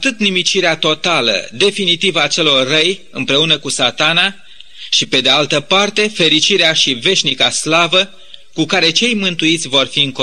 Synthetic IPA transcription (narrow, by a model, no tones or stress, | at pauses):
at̪ɨt̪nimit͡ʃiɾeat̪o̞t̪alə̰d̪e̞finit̪ivat͡ʃe̞lo̞rːəjɨmpɾe̞unəkusat̪ana | ʃipe̞d̪ealt̪əpart̪e̞fe̞ɾit͡ʃiɾeaʃive̞ʃʲnikaslavə | kukaɾe̞t͡ʃe̞jmɨnt̪uit̪sʲvo̞rfiɨŋk